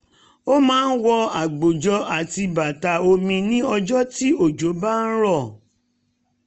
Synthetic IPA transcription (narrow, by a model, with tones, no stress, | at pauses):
o˦mãː˨˦n̩˦wɔ˧a˨ɡ͡bo˨d͡ʒɔ˧a˨ti˧ba˨ta˨o˧mĩ˧nĩ˦ɔ˧d͡ʒɔ˦ti˦o˦˨d͡ʒo˨˦ba˦n̩˦ɾɔ˦˨